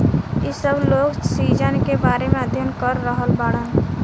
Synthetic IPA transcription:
isəbloːɡsiːd͡ʒənkebaːɾemẽəd̪ʱjənkəɾːəɦəlbaːɽən

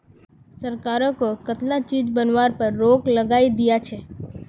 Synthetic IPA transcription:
səɾkaɾõkokət̪lat͡ʃid͡ʒbənʋaɾpəɾːokləɡaid̪ijat͡ʃʰe

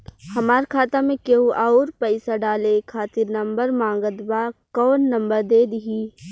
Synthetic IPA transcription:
hɐmaːɾkʰaːt̪amẽkeuʔaːɾpəɪsaɖaːlekʰaːt̪ɪɾnɐ̃mbəɾmãːŋɡət̪baːkɔːnːɐ̃mbəɾd̪eːd̪ɪɦiː

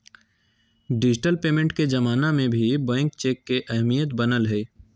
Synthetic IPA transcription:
ɖɪd͡ʒɪʈəlpeːmẽɳʈked͡ʒɐmaːnamẽbʱibɛ̃ːŋkt͡ʃeːkːeʔɐɦmijət̪bɐnəlɦɛː

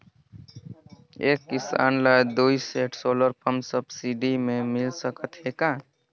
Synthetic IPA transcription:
eːkːɪsa̰ːnlaed̪uiseːʈʰsoːləɾpʰəmsəbsiɖimẽmɪlsəkət̪ɦekãː

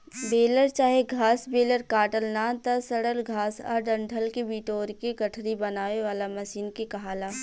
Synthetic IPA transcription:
beːləɾt͡ʃaːɦeɡʱaːsbeːləɾkaːʈəlnaːt̪ɐsəɽəlɡʱaːsɔ̰ːɾɖɐ̃ɳɖʱʰəlkebiːʈoːɾkeɡɐʈʰɾibɐnaːʋeʋaːlamɐsiːnkekɐɦaːlaː

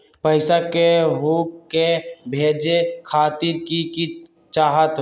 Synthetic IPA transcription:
pəɪsakeɦuːkkebʱeːd͡ʒekʰaːt̪iɾkiki | t͡ʃaːɦət̪

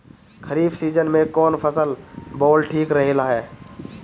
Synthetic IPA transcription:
kʰəɾiːbsiːd͡ʒənmẽkɔːnpʰəsəlbɔːlʈʰiːkɾəɦilaːɦɛː

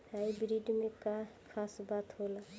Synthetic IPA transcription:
ɦajbɾiɖmekakʰasbat̪ɦola

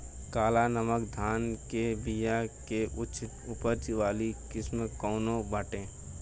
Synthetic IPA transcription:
kaːlanəməkd̪ʱaːnkebijakeʔʊʃɪ | ʊpəɾt͡ʃʋaːlikɪsmkoːnobəʈẽː

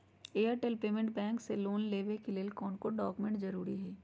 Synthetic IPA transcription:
eːjəɾʈeːlpeːmẽɳʈ̚bɛ̃ːŋkseloːnleːʋekelelkɔːnkoɖɔːkmẽɳʈzɐɾuːɾiɦɛː

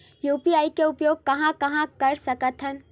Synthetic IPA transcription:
juːpiaːikeʊpjoːɡ̚kɐɦãkɐɦãkɐɾsɐkət̪ɦən

